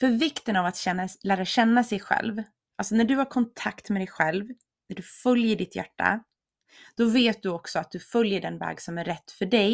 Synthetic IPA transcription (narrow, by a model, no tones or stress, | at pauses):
fœɾvɪkt̪ənavat̪ɕɛnalæːɾaɕɛnːasɛjɧɛ̰lv | ʔalsɔnæɖɵhaɾkʰɔnt̪ʰakt̪mɛd̪ɛjɧɛlv | næɖɵfœljəɖɪt̪ʰjæ̰ʈːa̰ | d̪̥ɔveːt̪̚d̪ɵɔksɔat̪̚d̪̥ɵfœljəɖɛnvɛ̰ːɡsɔmæɾɛt̪ːfœɖɛj